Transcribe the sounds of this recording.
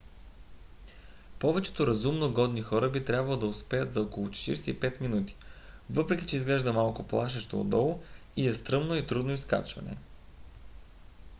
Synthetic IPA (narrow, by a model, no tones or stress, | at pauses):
pɔvɛt͡ʃɛ̥t̪oɾɐzumnoɡɔd̪nixɔɾəbit̪ɾʲabvɐlˠod̪ɐʊspɛjət̪zɐɔkolˠʊt͡ʃɛ̥t̪ḭɾsɛipɛt̪minut̪i̥ | vɤpɾɛkʲit͡ʃɛizɡlɛʒd̪əmalˠkʊplˠaʃ̬ɛʃt̪o̰o̰d̪ɔlˠo | iɛst̪ɾɤmnoit̪ɾud̪noiska̰t͡ʃvɐ̰nɛ̰